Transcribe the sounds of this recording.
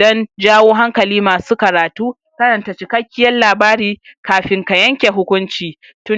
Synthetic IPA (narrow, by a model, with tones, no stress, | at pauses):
dɔ˦nd͡ʒaː˦woː˦ɦa˦ŋkɐ˨liː˦maː˨suː˦kɐ˨ɾaː˨tuː˦ | kɐ˦ɾɐ˨nta˨t͡ʃɪ˨kɐ˦kʲːɪ˦jɐ˦nlaː˨baː˦ɾiː˦kaː˨ɸɪ˨ŋka˨jɐ˦ŋkʲe˨ɦʊ˦kʷʊ˦nt͡ʃiː˨ | tʊ˦